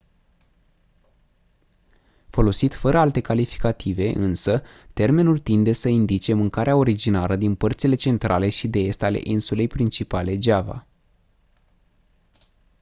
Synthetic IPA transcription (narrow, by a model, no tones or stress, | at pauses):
fo̞lo̞sit̪fəɾəalt̪e̞kalifi̥kat̪ive̞ʔɨnsət̪e̞rme̞nult̪ind̪e̞səind̪it͡ʃe̞mɨŋkaɾeao̞ɾid͡ʒinaləd̪inpərt̪sile̞t͡ʃe̞nt̪ɾʔa̰le̞ʃid̪e̞est̪ale̞̰ʔinsule̞jpɾint͡ʃipale̞d͡ʒava̰